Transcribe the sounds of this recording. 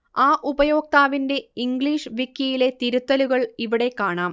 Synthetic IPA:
aːʔubɐjo̞ːk̚t̪aːʋinde̞iŋɡɭiːʂʋikːjɐjile̞t̪iɾut̪ːɐluɣɐɭiʋiɽe̞kːaːɳaːm

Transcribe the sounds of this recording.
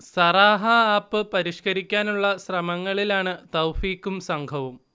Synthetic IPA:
sɐraːɦɐaːpːɨpɐɾiʂkɐɾikʲːaːnuɭːɐɕrɐmɐŋːɐɭilaːɳɨt̪ɐwfiːkːumsɐŋɡʱɐʋum

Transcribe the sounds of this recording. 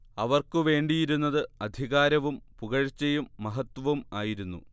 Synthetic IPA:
ɐʋɐrkɨʋe̞ːɳɖijiɾunːɐðɨɐd̪ʱiɣaːɾɐʋumpuɣɐɻt͡ɕːɐjumːɐɦɐt̪ːʋɐmaːjiɾunːṵ

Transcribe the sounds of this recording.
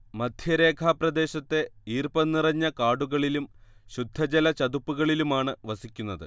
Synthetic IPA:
mɐd̪ʱjɐɾe̞ːkʰaːprɐd̪e̞ːɕɐt̪ːe̞iːrpɐnːirɐɲːɐkaːɽuɣɐɭilumɕud̪ʱːɐd͡ʑɐlɐt͡ɕɐd̪upːuɣɐɭilumaːɳɨʋɐsikʲːunːɐðɨ̰

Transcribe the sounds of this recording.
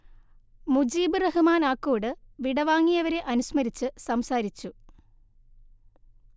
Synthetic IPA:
mud͡ʑiːbɨrɐɦumaːnaːkːuːɽɨʋiɽɐʋaːŋːijɐʋɐɾe̞ʔɐnusmɐɾit͡ɕːɨsɐmsaːɾit͡ɕːu

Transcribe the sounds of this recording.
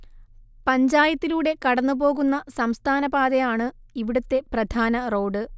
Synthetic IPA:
pɐɲd͡ʑaːjɐt̪ːiluːɽe̞kɐɽɐnːubo̞ːɣunːɐsɐmst̪ʰaːnɐbaːd̪ejaːɳɨ | iʋiɽɐt̪ːe̞prɐd̪ʱaːnɐro̞ːɖɨ

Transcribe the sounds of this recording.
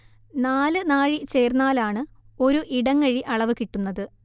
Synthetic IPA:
naːlɨnaːɻit͡ɕe̞ːrnaːlaːɳɨo̞ɾuʔiɽɐŋːɐɻiʔɐɭɐʋɨkiʈːunːɐðɨ

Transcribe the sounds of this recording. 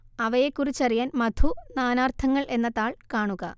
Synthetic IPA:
ɐʋɐjekːurit͡ɕːɐrijaːnmɐd̪ʰʱunaːnaːrt̪ʰɐŋːɐɭʔe̞nːɐt̪ːaːɭkaːɳuɣɐ

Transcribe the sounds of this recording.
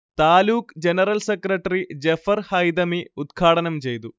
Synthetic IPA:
t̪aːluːkd͡ʑenɐrɐlsekrɐʈːɐrid͡ʑefɐrhɐjd̪ɐmiud̪̚ɡʰaːɽɐnɐmt͡ɕe̞jt̪u

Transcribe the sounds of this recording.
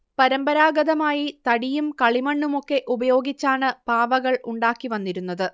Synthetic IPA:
pɐɾɐmbɐɾaːɡɐðɐmaːjit̪ɐɽijumkɐɭimɐɳːumo̞kːe̞ʔubɐjo̞ːɡit͡ɕːaːɳɨpaːʋɐɣɐɭuɳɖaːkːiʋɐnːiɾunːɐðɨ

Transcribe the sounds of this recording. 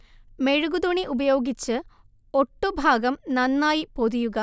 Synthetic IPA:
me̞ɻuɡud̪uɳiʔubɐjo̞ːɡit͡ɕːɨ | o̞ʈːubʱaːɡɐmnɐnːaːjipo̞ðujuɣɐ

